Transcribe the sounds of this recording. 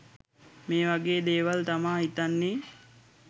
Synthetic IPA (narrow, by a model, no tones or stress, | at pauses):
meːʋaɡeːd̪eːʋalt̪amaːɦit̪anːeː